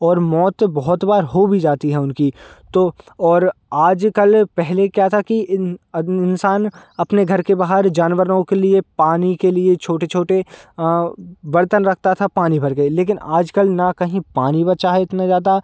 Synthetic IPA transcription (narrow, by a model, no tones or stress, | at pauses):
ɔːɾmɔːt̪bɐɦʊt̪baːɾɦobʱid͡ʒaːt̪iɦɛʊnkit̪oɔːɾaːd͡ʒkɐlpɛɦlekjat̪ʰaki | ɪnsaːnɐpneɡʱɐɾkebaːɦəɾd͡ʒaːnʋəɾnõkeliepaːnikeliet͡ʃʰoːʈet͡ʃʰoːʈe | ʋɐɾt̪ənɾɐkʰt̪at̪ʰapaːnibʱɐɾkeleːkɪnʔaːd͡ʒkɐlnakɐɦĩpaːnĩbɐt͡ʃaɦɛɪt̪nazaːd̪a